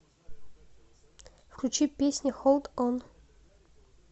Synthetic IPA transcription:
fkʲut͡ɕipʲesʲnʲixolˠt̪ɔn

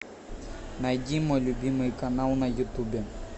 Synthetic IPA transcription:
nɐjdʲimɔlʲʊbʲimɪjkɐnalˠnɐjut̪ubʲɛ

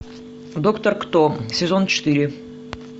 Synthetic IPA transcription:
d̪okt̪ərkt̪osʲɪzont͡ɕɪt̪ɨɾʲɪ

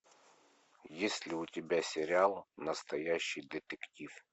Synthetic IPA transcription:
jesʲlʲɪʊtʲɪbʲasʲɪɾʲɪalˠnəst̪ɐjæɕːɪjd̪ʲɪt̪ɨktʲif

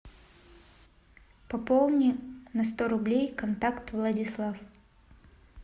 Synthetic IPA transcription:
pɐpolˠnʲɪnɐst̪oɾʊblʲejkɐnt̪akt̪vlˠədʲɪslˠaf

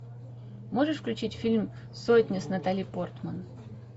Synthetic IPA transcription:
mo̞ʐɨʂfklʲʉt͡ɕitʲfʲilʲm | sotʲnʲəsnɐt̪alʲɪjpo̞rt̪mən

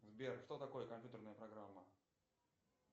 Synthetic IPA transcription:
zbʲerʂt̪ot̪ɐkojəkɐmʲpʲjʲut̪ərnəjəpɾɐɡɾamːə

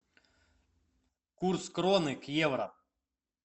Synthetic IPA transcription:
kurskɾɔnɪkjɛʋɾɐ̰

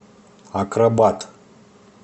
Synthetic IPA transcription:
akɾabat̪

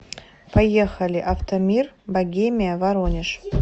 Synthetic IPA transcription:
pʰajeχalʲiʔaft̪ʰomʲirbaɡʲemʲijavaɾonʲɪʂ

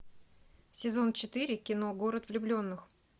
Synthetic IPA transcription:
sʲɪzo̞nt͡ɕɪt̪ɨɾʲɪkʲɪno̞ɡo̞ɾət̪vlʲʊblʲo̞nːɨx

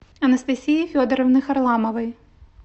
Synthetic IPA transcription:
ɐnɐst̪ɐsʲijifʲɔd̪ɐɾɐwnɨxɐrlˠamɐvɐj

